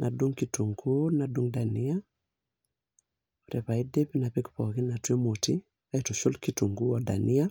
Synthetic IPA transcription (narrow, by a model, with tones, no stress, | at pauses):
nʔa̰˨du˦ŋkitu˨ŋɡu˦na˨du˦ŋda˨ni˦a | ɔ˨ɾɛ˨pa˨i˦de˦pi˦na˨pɛ˦kpɔ˨ki˦na˨twe˦mo˨ti˦ | a˦i˨to˨ʃo˦lki˨tu˨ŋɡu˦ɔ˨da̰˨ni˦a˦